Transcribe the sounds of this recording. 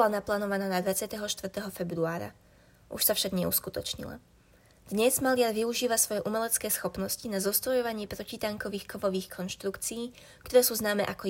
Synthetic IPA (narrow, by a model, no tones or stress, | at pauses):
lanaplaːnɔʋanaːnad̪ʋat͡sɪat̪ɛɦɔʃt̪ʋrt̪ɛɦɔfɛbɾuaːɾa̰ | ʔṵʃsafʃaɡɲɛṵskut̪ɔt͡ʃɲḭla̰ | d̪̥ɲɛzmalɪaɾʋiuʒiːʋasʋɔjɛʔumɛlɛt͡skɛːsxɔpnɔscinazɔst̪ɾɔjɔʋaɲɪɛpɾɔcit̪aŋkɔʋiːxkʰɔmɔʋiːxkʰɔnʃt̪ɾukt͡siiː | kt̪ɔɾɛːsuːznaːmɛːʔakɔ